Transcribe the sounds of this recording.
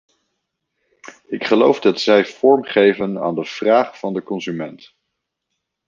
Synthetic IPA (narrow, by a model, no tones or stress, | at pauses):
ɪkχəlowvdɑtzɛjv̥ɔɹmχejvəna̰ːndəv̥raːχfɑndəkɔnzymɛnt